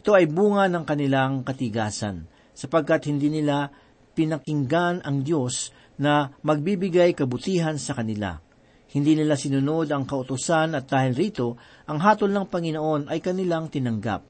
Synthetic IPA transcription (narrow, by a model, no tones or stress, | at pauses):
ʔʔɪt̪o̞ʔɐjbuːŋɐnɐŋkɐnɪlaŋkɐt̪ɪɡaːsɐ̰n | sɐpɐɡ̚kat̪hɪnd̪iːnɪla | pɪnɐkɪŋɡanʔɐŋd̪jo̞s | nɐmɐɡ̚bibɪɡajkɐbʊt̪iːɦɐnsɐkɐnɪla̰ | hɪnd̪iːnɪlasɪnʊno̞d̪ɐŋkɐʔʊt̪ʊsanɐt̪̚d̪aːhɪlɾiːt̪o̞ | ʔɐŋɦaːt̪olnɐŋpɐŋɪnoʔo̞nʔɐjkɐnɪlaŋt̪ɪnɐŋɡa̰p̚